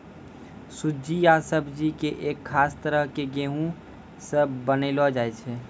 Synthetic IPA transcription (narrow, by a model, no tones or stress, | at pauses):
sʊd͡ʒijaːsəbʱd͡ʒikeʔeːkʰːaːst̪əɾəɦkeɡeːɦũ | səbbənelɔd͡ʒaːɛt͡ʃʰeː